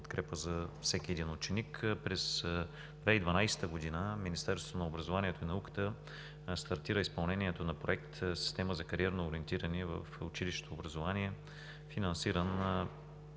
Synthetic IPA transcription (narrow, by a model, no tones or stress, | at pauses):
pot̪kɾɛpəzɐfsɛkʲiɛd̪inʊt͡ʃɛnikpɾɛs | d̪vɛid̪vɐnajsɛ̥t̪əɡod̪inəminist̪ɛɾsvt̪onɐobɾɐzovaniɛt̪oinɐukə̥t̪ə | st̪ɐɾt̪iɾəispɐlˠnɛniɛt̪onɐpɾoɛk̚t̪si̥st̪ɛməzɐkɐɾiɛɾnoːɾiɛnt̪iɾəniɛvə̰fʊt͡ʃiliʃt̪o̥t̪oːbɾɐzovaniɛ | finɐnsiɾən